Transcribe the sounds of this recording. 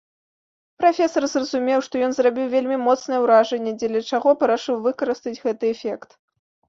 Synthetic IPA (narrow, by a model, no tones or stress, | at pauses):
pɾafʲɛsɐrzrɐzumʲɛwʂt̪ɔjɔnzrabʲiwvʲelʲmʲimɔt̪snɨjɛwɾaʐɛnʲːɛd͡zʲɛlʲɐt͡ʂaɣɔpɐɾaʂɨwvɨkɐɾɨst̪ɐd͡zʲɣɛt̪ɨɛfʲɛkt̪